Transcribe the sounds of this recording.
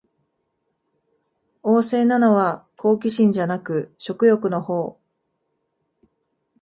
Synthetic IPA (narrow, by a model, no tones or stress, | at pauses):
o̞ːse̞ːnano̞βakʰo̞ːk̬ʲiɕĩɲ̟d͡ʑanakɯ̟ɕo̞kɯ̟jo̞kɯ̟no̞ho̞ː